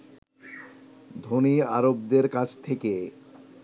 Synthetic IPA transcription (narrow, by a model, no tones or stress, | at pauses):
d̪ʱoniaɾobd̪eɾkat͡ɕʰt̪ʰeke